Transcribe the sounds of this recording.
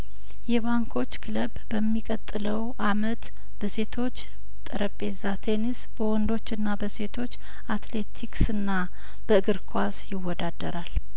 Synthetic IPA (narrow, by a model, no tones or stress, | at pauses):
jɛβaŋkʰo̞t͡ʃːkʰɨləbbəmːikʼət̪ʼːɨləwʔamət̪ | b̥əse̞t̪ʰo̞t͡ʃː | t̪ʼəɾəpʼːe̞zat̪ʰe̞nisbəwɔnd̪o̞t͡ʃːɨnːabəse̞t̪ʰo̞t͡ʃː | at̪le̞t̪ʰiksɨnːa | b̥əɨɡɨɾkʰwasjɪwːɔd̪ad̪əɾal